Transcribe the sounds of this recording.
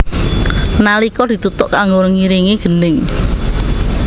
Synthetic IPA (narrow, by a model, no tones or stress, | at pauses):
nalikɔd̪̥i̤t̪ut̪ʊʔkaŋɡoɾəŋiɾiŋeɡ̥ə̤nɪŋ